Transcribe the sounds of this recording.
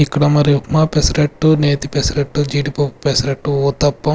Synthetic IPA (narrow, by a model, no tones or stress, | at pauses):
ikːɐɽɐmɐɾiumapesɐɾeʈːuneːt̪ipesɐɾeʈːud͡ʒiːʈipoppesɐɾɐʈːuoːt̪ɐpːɐ